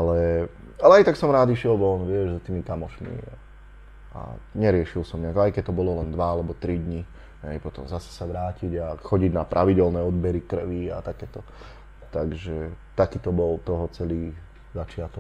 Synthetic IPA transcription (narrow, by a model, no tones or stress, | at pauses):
ʔalɛ | alɛajt̪aksɔmɾaːd̪iʃɪɛlbɔɔnʋɪɛʒzat̪iːmikamɔʃmḭ | a̰ɲɛɾɪɛʃilsɔmɲɛaɡajkɛc̚t̪ːɔbɔlɔlɛnd̪ʋaalɛbɔt̪ɾid̪ɲi | ɦɛɪpɔt̪ɔmzasɛ̥saʋɾaːciɟaxɔɟiɟnapɾʔaʋiɟɛlnɛːɔd̪bɛɾikr̩ʋia̰t̪akɛːt̪ɔ | t̪aɡʒɛt̪akiːt̪ɔbɔlt̪ɔɦɔt͡sɛliː | zat͡ʃɪat̪ɔk